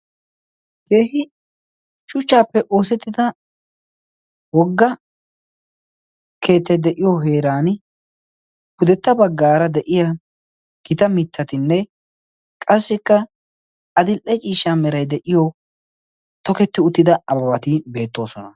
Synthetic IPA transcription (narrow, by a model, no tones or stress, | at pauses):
keːɦɪ | ʃʊt͡ʃːaːpːɛʔo̞ːsɛt̪ːɪd̪ɐ | wɔɡːɐ | ke̞ːt̪ːɛd̪ɛʔɪjoɦe̞ːɾaːn | hʊd̪ɛt̪ːɐbɐɡːaːɾɐd̪ɛʔɪja | ɡ̥ɪt̪ɐmɪt̪ʰːɐt̪ɪnːɛ | kʼɐsːɪkːɐ | ʔɐd̪ɪlʔɛt͡ʃʼiːʃːaːmɛɾɐjd̪ɛʔɪjo | t̪ɔkɛt̪ːɪʊt̪ːɪd̪ɐɐbɐβɐt̪ɪbe̞ːt̪ːo̞ːsɔnɐ